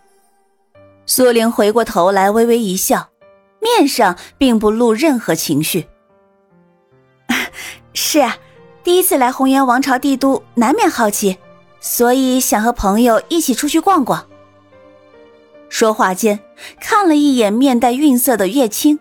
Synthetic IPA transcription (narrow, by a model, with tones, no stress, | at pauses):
swɔ˥li˧˥nxwe˧˥ɪkwɔ˥˩t̪ʰo˧˥ʊla˧˥ɪwe˥ɪwe˧˥ɪi˧˥ɕjɑ˥˩ʊ | mjɛ˥˧nʂɑ˥˧ŋpi˥˧ŋp̬u˧lu˥˧ɻə˥˩nxɤ˧˥t͡ɕʰi˧˥ŋɕy˥˩ | ʂɻ̩˥˩ɐ˩ | t̪i˥˩i˥t͡sʰɹ̩˥˩la˧˥ɪxʊ˧˥ŋɥɛ˧˥nwɑ˧˥ŋʈ͡ʂʰɑ˧˥ʊt̪i˥˧˩t̪u˥na˧˥nmjɛ˥˧nxɑ˥˩ʊt͡ɕʰi˧˩ | swɔ˧˥i˨˩˦ɕjɑ˨˩ŋxɤ˧˥pʰɤ˧˥ŋjo˨˧ʊi˥˩t͡ɕʰi˨˩ʈ͡ʂʰu˥t͡ɕʰy˥˧kwɑ˥˧ŋkwɑ˨˩˦ŋ | ʂwɔ˥xwa˥˩t͡ɕjɛ˥˩n | kʰa˥˩nlə˩i˥˩jɛ˨˩nmjɛ˥˧nt̪a˥˧ɪy˥˧nsɤ˥˩d̪ə˩ɥɛ˥˩t͡ɕʰi˥ŋ